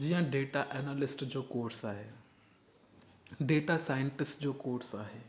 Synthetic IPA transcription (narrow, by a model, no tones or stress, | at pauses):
d͡ʑijə̃ɖeːʈaʔɛnaːlɪsʈd͡ʑoːkoːɾsaːɦeː | ɖeːʈasaːjə̃ɳʈɪsʈd͡ʑoːkoːɾsaːɦeː